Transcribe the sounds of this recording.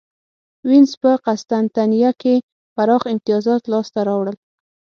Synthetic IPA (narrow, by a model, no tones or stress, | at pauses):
wɪnzpəqast̪ant̪anijake | faɾɑxɪmt̪ɪjɑzɑt̪lɑst̪aɾɑwɽəl